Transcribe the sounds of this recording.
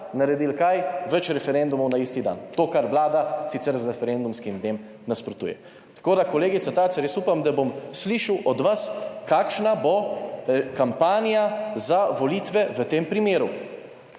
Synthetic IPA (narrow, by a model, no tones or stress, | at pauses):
naɾɛd̪ilkajʋɛt͡ʃɾɛfɛɾɛnd̪umɔwnaist̪id̪a̰nt̪oːkaɾʋlaːd̪asit̪sɛɾzɾɛfɛɾend̪umskimd̪neːm | naspɾɔt̪ṵjɛ̰ | t̪ḁkoːd̪akoleːɡit̪sat̪at͡ʃ̪ɛɾjɛsupamd̪abomsliʃawʔɔd̪ʋaskakʃnabo | kampaːnjazaʋoliːt̪ʋɛʋət̪eːmpɾimeːɾu